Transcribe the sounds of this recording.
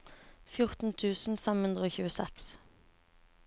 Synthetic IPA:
fjʊʁt̪n̩t̪ʰʉːsn̩fɛmhʉnd̪ʁəoːçʉːəsɛ̰ks

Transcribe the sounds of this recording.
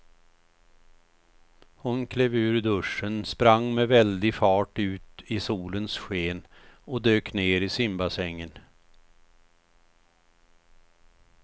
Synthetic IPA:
hʊnkʰleːvʉ̟ːɾd̪ɵʂːənspɾaŋːmɛvɛld̪ɪfɑːʈʉ̟ːt̪ɪsuːlənsɧeːnɔd̪øːkneːɾɪsɪmbasɛŋːən

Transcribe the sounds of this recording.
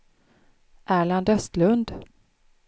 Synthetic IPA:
ʔæːɭand̪œst̪lɵnd̪

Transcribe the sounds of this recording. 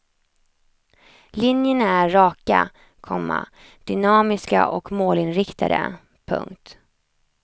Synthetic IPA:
lɪnjənaæːɑːka | kʰɔmːa̰ | d̪̥ʏnɑːmɪska̰ʔɔkmoːlɪnɾɪkt̪ʰad̪ə̰ | pʰɵ̰ŋk̚t̪

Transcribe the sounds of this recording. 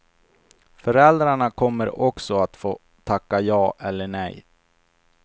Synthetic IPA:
fœɾɛld̪ɾaɳakʰɔmːəɾɔksɔat̪foː | t̪ʰːakːajɑːʔɛlːəɳɛj

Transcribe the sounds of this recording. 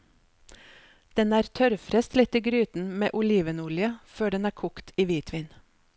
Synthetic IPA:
d̪̥ɛnæːɾt̪ʰœɾfɾɛst̪lɪt̪iːɡɾyːt̪n̩mḛːʔʊliːʋənʊljəføːɖɛnæːkʰʊkt̪ʰiːʋiːt̪ʰʋɪːn

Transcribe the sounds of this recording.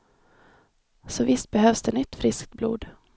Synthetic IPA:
sɔvɪst̪̚bɛɦøːvsd̪ɛnʏt̪ːfɾɪskt̪̚blṵːd̪

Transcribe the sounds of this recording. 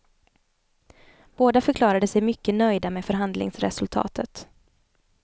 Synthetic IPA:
b̥oːd̪afœɾklɑːɾad̪əsɛjmʏkːənœjd̪ameːfœɾɦand̪lɪ̰ŋsɾɛ̰sɵlt̪ʰɑ̰ːt̪ʰət̪

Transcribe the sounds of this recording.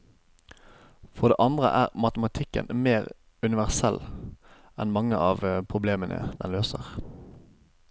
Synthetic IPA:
fɔʁd̪ḛːʔɑnd̪ʁə̰ʔæːʁmɑt̪əmɑt̪ʰɪkːə̰nmeːʁ | ʉnɪʋæʁsɛl | ɛnmɑŋəʔɑːʋpʰʁʊbleːmənə̰d̪ɛnløːsəʁ

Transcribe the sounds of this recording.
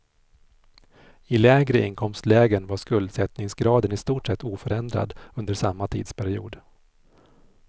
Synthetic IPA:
ɪlɛːɡɾəɪŋkʰɔmst̪lɛːɡənvaʂkɵld̪sɛt̪nɪŋsɡɾɑːd̪ənɪst̪uːʈʂɛt̪ːuːfœɾɛnd̪ɾa̰d̪ɵnd̪əʂamːat̪ʰḭːd̪spʰæɾɪṵːd̪

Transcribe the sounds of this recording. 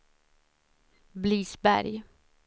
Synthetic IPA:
bliːsbæ̰ɾj

